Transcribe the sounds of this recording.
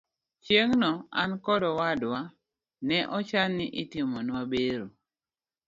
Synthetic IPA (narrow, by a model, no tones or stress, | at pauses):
t͡ʃjeŋnɔa̰nkɔdɔwadwa | nɛʔɔt͡ʃanːɪʔɪtimɔnwabeɾo